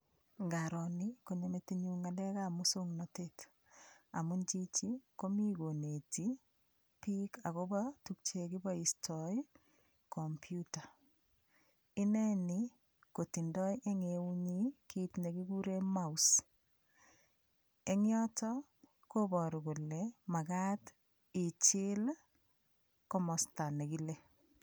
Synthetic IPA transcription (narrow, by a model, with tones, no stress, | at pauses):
ŋɡaɾɔ˨ni˦ko˨ɲe˦me˨te˦ɲu˦ŋa˨dɛ˦ka˦muso˦ŋnɔtet | a̰˨mu˦nt͡ʃi˦t͡ʃi˦ko˦mi˦ɡo˨ne˨ti | pi˦ka˨ko˦bɔtuk̚t͡ʃe˨ki˦bɔ˦i˨stʰɔi | kɔmpʰjuta˨ | i˦nɛ˦ni | ko˨ti˨ndɔ˦jʔe˦ŋeu˦ɲi˦kitne˨ki˦ku˦ɾemaus | e˦ŋjɔ˦tɔ | ko˦bɔ˨ɾu˨ku˨lema˨ka˦t | ɪ˨t͡ʃɪl | kɔmɔ˨sta˨ne˨kile